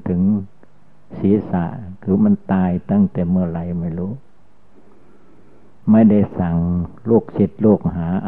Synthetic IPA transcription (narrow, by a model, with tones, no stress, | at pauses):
t̪ʰɯ˨˦ŋ | siː˨˦sa̰˧˩ʔkʰɯː˧˩ma˧˥˨nt̪aː˧jt̪a˧˩˨ŋt̪ɛː˨˩mɯ˧˩ɐ˨la˧˩jma˧˩jluː˦˥ | ma˧˩˨jda˧˩jsa˨˩ŋ | loː˧˩k̚si˧˦t̪̚loː˧˩k̚ɦaː˨˦ʔa˧